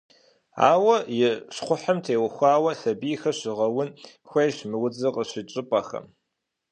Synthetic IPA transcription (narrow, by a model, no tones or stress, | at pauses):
a̰ːwɐjɪɕχʷʊħɐmtʰeːwɐxʷaːwɐɬɐbiːxɐɕɪʁɐwʊn | xʷɐjɕmɨwʊd͡zɨqʼəɕɪt͡ʃʼɪpʼɐxɐ̰m